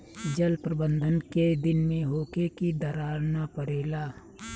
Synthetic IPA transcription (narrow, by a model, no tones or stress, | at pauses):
d͡ʒəlpɾəbə̃nd̪ʱənked̪ɪnmẽɦoːkekid̪əɾaːɾnapəɾeːlaː